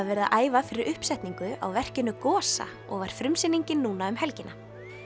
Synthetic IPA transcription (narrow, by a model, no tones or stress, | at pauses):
vɛɾðaʔaːjvafɪɾɪɾʔʏhpsɛht̪niŋkʏa̰wvɛr̥cɪnːʏkɔːsa̰ | ɔɣvaɾ̥fɾʏmsɪnːiɲcɪnːuːnaʏmɦɛlcɪnːa